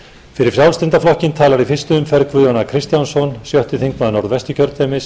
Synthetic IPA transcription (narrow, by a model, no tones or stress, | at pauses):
fɪɾɪɾ̥sjawlst̪ɪnt̪aflɔhcɪnt̪ʰaːlaɾifɪr̥st̪ʏːmfɛɾkvʏjɔnakʰɾɪst̪jansɔnsjœht̪ʏθiŋknaðnɔɾðvɛst̪ʏcʰœɾt̪ʰɛːmɪs